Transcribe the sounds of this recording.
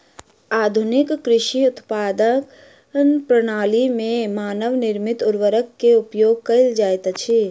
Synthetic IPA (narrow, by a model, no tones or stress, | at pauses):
aːd̪ʱʊnɪkːɾɪʃiʊt̪paːd̪ək | npɾɐɽ̃aːlimẽmaːnəʋnɪɾmɪt̪ʊɾʋəɾəkːeʊpjoːɡ̚kɐɪld͡ʒaːjt̪t͡ʃʰi